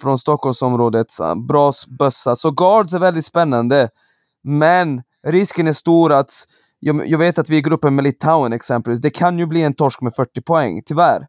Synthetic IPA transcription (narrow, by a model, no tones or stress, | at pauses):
fɾɔnst̪ɔkʰːɔlmsɔmɾoːd̪ət̪sbɾɑːsbœsːasɔɡɑːɖsæɾvɛld̪ɪt̪spɛnːand̪ə | mɛn | ɾɪskənæʂt̪uːɾat̪ | jɑjɑːɡveːt̪at̪vɪɡɾɵpːəmɛlɪt̪ʰaʊənɛksɛmpəlviːsd̪ɛkʰanjɵbliːɛnt̪ʰɔʂkmɛfœʈːɪpʰɔɛ̰ŋːt̪ʰʏvæɾ